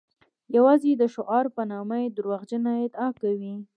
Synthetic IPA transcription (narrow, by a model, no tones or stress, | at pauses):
jawɑzed̪əʃʊʔɑɾpənɑmaed̪ʊɾwaɣd͡ʒənaɪd̪ɑkawi